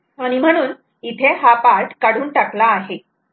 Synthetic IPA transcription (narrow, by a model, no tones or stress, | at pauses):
aɽ̃im̤əɽ̃uːn | it̪ʰeɦapaɾʈkaɽuːnʈaklaːɦe